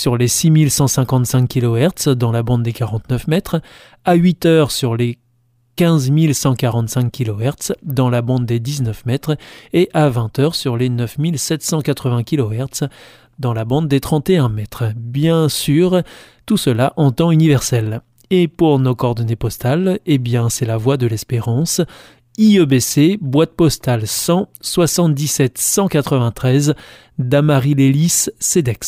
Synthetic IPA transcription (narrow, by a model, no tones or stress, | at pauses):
syʁlesimilsɑ̃sɛ̃kɑ̃t̪sɛ̃kʲkʲːilɔɛʁt̪sd̪ɑ̃labɑ̃d̪̚d̪ekaʁɑ̃t̪nœfmɛt̪χ | aɥit̪œʁsyʁle | kʲɛ̃zmilsɑ̃kaʁɑ̃t̪sɛ̃kʲːilɔɛʁt̪sd̪ɑ̃labɑ̃d̪d̪ed̪iznœfmɛt̪χeʔavɛ̃t̪œʁsyʁlenœfmilsɛt̪sɑ̃kat̪χəvɛ̃kʲilɔɛʁt̪s | d̪ɑ̃labɑ̃d̪d̪et̪χɑ̃t̪eɛ̃mɛt̪χbjɛ̃syʁ | t̪usəlaʔɑ̃t̪ɑ̃ynivɛʁsɛl | epuʁnokɔːʁd̪ɔnepɔst̪alebjɛ̃sɛlavwad̪əlɛspeʁɑ̃s | iøbesebwat̪̚pɔst̪alsɑ̃swasɑ̃t̪̚d̪isɛt̪sɑ̃kat̪χəvɛ̃t̪χɛz | d̪amaʁilelisːed̪ɛks